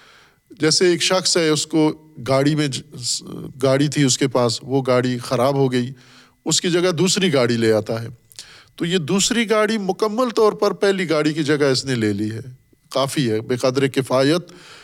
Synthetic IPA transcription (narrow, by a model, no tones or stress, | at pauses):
d͡ʒɛːseːkʃɐxsɦɛʊskoɡaːɽimẽ | ɡaːɽit̪ʰiʊskepaːsʋoɡaːɽixɐɾaːbɦoɡɐi | ʊskid͡ʒɐɡad̪uːsɾiɡaːɽileːaːt̪aɦɛː | t̪ojed̪uːsɾiɡaːɽimʊkəmːəlt̪ɔːɾpɐɾpɛɦliɡaːɽikid͡ʒɐɡaɪsneleːliɦɛː | qaːfiɦɛːbeːqaːd̪ɾekɪfaːjət̪